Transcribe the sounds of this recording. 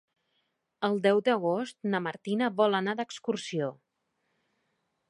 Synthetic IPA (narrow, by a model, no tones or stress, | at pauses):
əlˠd̪ɛwd̪əɣost̪̚nəməɾt̪inəβɔlˠənad̪əkskursio